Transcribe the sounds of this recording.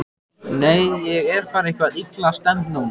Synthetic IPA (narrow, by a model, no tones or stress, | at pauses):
neːjjɛɣɛɾ̥faːɾehkvaðit̪last̪ɛnt̪nuwn